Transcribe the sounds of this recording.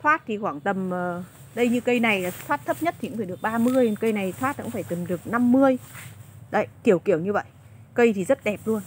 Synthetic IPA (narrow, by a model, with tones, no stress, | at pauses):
t̪ʰwaː˦˥t̚t̪ʰi˨˩xwaː˧˩ŋt̪ə˨˩mə˨˩ | ɗə˧jɲɨ˧kə˧jna˨˩jaː˨˩t̪waː˦˥t̚t̪ʰə˦˥p̚ɲə˦˥t̪̚ʰi˨˧˥ŋ͡mfaː˧˩ɗɨ˨˩ək̚ɓaː˧mɨ˧əjnkə˧jna˨˩jt̪ʰwaː˦˥t̚kṵ˧˥faː˧˩jt̪ə˨˩mɗɨ˨˩ək̚na˧mːɨ˧əj | ɗə̰˧˨jki˧˩əwki˧˩əwɲɨ˧və̰˧˨jʔ | kə˧jt̪ʰi˨˩zə˦˥t̚ɗɛ˨˩p̚lu˧ən